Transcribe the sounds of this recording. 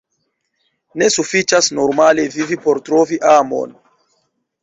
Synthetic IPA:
ne̞sufit͡ʃasno̞ɾmale̞vivipo̞ɾtɾo̞viʔamo̞̰n

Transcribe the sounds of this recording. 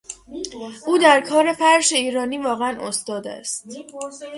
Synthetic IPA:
ʔuːd̪æɾkʰɒːɾe̞fæɾʃe̞iːɾɒːniːvɒːɣeænʔost̪ɒːd̪æ̰st̪

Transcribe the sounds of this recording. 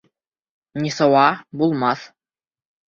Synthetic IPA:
nʲisɤ̆wɑbulˠmɑθ

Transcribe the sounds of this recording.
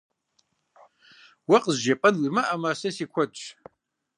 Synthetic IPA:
wɐqʼəzʒɐpʼɐnwimaʔɐmaːsɐsiːkʷʰɔtʼ

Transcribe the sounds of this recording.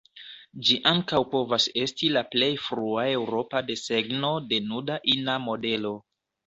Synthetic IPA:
d͡ʒiʔaŋkawpo̞vase̞stilaple̞jfɾuae̞wɾo̞pade̞se̞ɡno̞de̞nudaʔinamo̞de̞lo̞

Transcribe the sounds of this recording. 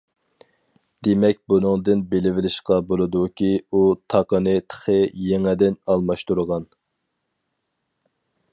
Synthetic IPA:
d̪̥emɛk̚ʲbunɨŋd̪ɨnbelɪvɪlɪʃqɑbolˠɨd̪ukʲʰiut̪ʰɑqənɨt̪ʰə̥χəjeŋɪd̪ɪnɑlˠmɑʃt̪uɾʁɑn

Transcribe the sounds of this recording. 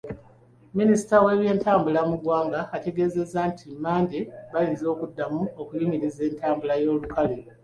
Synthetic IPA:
minisi̥tawe̞ːβje̞ːntaːmbulamuɡwaːŋɡaːte̞ɡe̞ze̞zantʰimaːndeβalinzo̞ːkudːamuo̞kujimiɾize̞ːntaːmbulajo̞ːlukale

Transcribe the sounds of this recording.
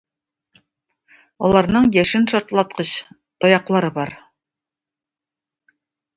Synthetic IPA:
olˠɑɾnɤɴjæʃɘnʃɒɾt̪lˠɑt̪̚qɤɕ | t̪ojɑqlˠɑɾɤbɑɾ

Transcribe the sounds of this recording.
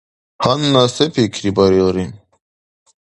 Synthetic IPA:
hanːasepʰikʰɾibaɾilɾin

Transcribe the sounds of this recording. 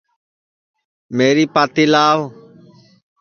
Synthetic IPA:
meːɾiːpaːt̪iːlaːʋ

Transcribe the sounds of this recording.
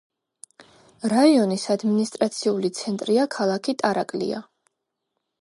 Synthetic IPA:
ɾaiɔnisad̪minist̪ʼɾat̪sʰiulit̪sʰɛnt̪ʼɾiakʰalˠakʰit̪ʼaɾakʼlḭa̰

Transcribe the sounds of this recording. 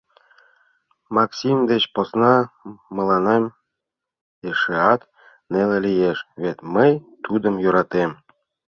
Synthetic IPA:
mɑksʲimd̪et͡ɕposnɑmɤ̆lɑnem | eʃeɑt̪ | nelelijeʃβet̪məjt̪ud̪ə̆mjøɾɑt̪em

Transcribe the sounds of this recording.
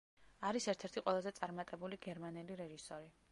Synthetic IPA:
aɾisɛɾt̪ʰɛɾt̪ʰiqʼwɛlˠazɛt̪sʼaɾmat̪ʼɛbuliɡɛɾmanɛliɾɛʒisɔɾi

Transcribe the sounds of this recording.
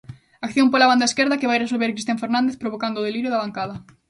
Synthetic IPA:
akθjompolaβand̪ɐeskeɾðɐkeβajres̬olβeɾkɾist̪eãɱfeɾnãnd̪eθpɾoβokand̪ʊːðeliɾjoðɐβaŋkaðɐ

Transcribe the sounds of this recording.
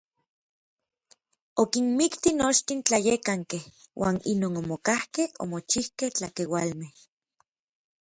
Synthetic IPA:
okinmikt̪inot͡ʃt̪int͡ɬajekaŋkehwʔa̰ːnḭnoːnomokahkeho̰mot͡ʃihkeht͡ɬakewalmeh

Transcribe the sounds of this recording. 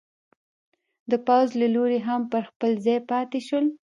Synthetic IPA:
d̪əpawzlaloɾeɦampəɾxpəlzɑjpɑt̪eʃəl

